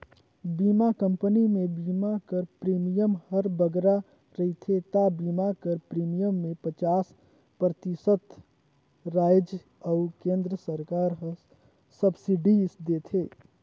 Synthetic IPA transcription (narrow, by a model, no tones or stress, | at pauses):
bimakəmpənimebimakəɾpɾimijəmhəɾbəɡɾa | ɾəɦit̪ʰet̪abimakəɾpɾimijəmːepət͡ʃaːs | pɾət̪isət̪ | ɾajd͡ʒ | əukẽnd̪ɾəsəɾkaɾɦə | səbsiɖisd̪et̪ʰe